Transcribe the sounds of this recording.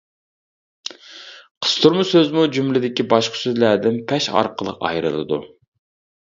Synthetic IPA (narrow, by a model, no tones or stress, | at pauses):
qʰə̥st̪ʰuɾmusøzmud͡ʒumlɪd̪ɪkʲibɑʃqʰə̥søzlæd̪ɪnpʰɛʃɑ̰ɾqəlˠə̰qɑ̰jɾɨ̰lˠɨ̰d̪ṵ